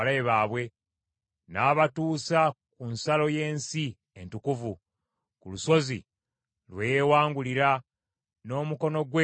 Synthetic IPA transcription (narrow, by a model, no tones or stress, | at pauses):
leβaːβwe̞ | naːβatuːsa | kunsalo̞je̞ːnsi | entukuvu | kuluso̞zḭ | lweːjewaːŋɡuliɾa | no̞ːmuko̞no̞ɡwe